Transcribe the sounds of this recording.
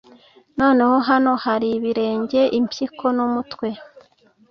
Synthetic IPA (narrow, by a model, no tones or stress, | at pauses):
no̞ːne̞ho̞ɦano̞haɾiβiɾe̞ːɲɟe̞ʔimpjikʰo̞numutwe̞